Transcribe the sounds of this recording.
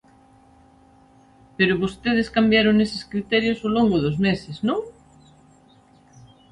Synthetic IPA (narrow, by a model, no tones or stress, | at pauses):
peɾoβost̪eð̞eskambjaɾoŋese̥skɾit̪ɛɾjosoloŋɡoðozmeseznõŋ